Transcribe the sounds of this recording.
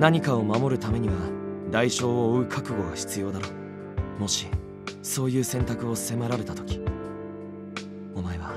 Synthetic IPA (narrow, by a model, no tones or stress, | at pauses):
naɲ̟ikaomamo̞ɾɯ̟t̪ame̞ɲ̟iβad̪aiɕo̞ːoːɯ̟kʰakɯ̟ɡo̞ɡaçi̥t͡sɨjo̞ːd̪aɾo̞ | mo̞ɕi | so̞ːjɯ̟ːsẽ̞nt̪akɯ̟o̞sɨ̥se̞maɾaɾe̞t̪at̪o̞̥kʲi̥ | omaeβa